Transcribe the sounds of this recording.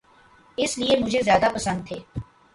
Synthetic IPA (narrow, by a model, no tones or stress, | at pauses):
ɪsliemʊd͡ʒʱezjaːd̪apɐsə̃nd̪̚t̪ʰeː